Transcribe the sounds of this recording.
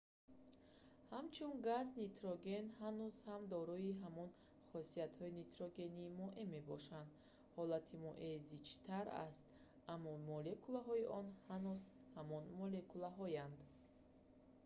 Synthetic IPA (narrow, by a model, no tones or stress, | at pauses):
hamt͡ʃʰunɡaznit̪ɾɔɡe̞nhanuzhamd̪ɔɾɔiɦamɔn | χɔsiat̪hɔinit̪ʰɾɔɡe̞nimɔʔeme̞bɔʃand̪ | hɔlat̪ʰimɔʔezit͡ʃt̪ʰaɾa̰st̪ | amːɔmɔlekʰulaɦɔiʔɔnhanuzhamɔnmɔle̞kʰulaɦɔjand̪